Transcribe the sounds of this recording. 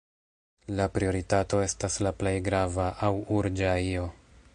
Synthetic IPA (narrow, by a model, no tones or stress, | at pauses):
lapɾio̞ɾitato̞e̞staslaple̞jɡɾavaʔawuɾd͡ʒaio̞